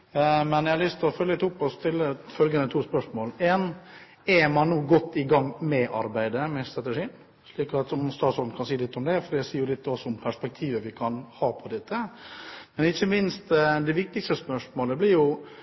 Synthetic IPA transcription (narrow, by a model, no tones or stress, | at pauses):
mɛnjæhɑɾlʏst̪ʰɪlɔfœljəət̪ʊpːɔst̪ʰɪlːəfœlɡənət̪ʰuːspœʂmoːlɛːn | ɛmɑnːuːɡɔt̪ːɪɡɑŋːmɛʔɑɾbæɪd̪əmɛst̪ɾɑt̪əʂiːn | ʂɭiːkɑt̪ɔmst̪ɑːt̪sɔld̪n̩kʰɑnsiːəlɪt̪ːɔmd̪ɛfɔɾjæɪsiːjʊlɪt̪ːɔsːɔʊmpʰæʂpɛk̚t̪ʰiːʋəʋɪkʰɑnhɑːpʰɔd̪ɛt̪ʰːə | mɛnɪçːəmɪnst̪d̪ɛʋɪk̚t̪ɪkst̪əspœʂmoːləblɪɾjʊ